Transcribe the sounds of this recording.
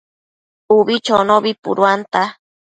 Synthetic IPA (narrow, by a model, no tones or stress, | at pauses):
uβit͡ʃonoβipṵɾwant̪a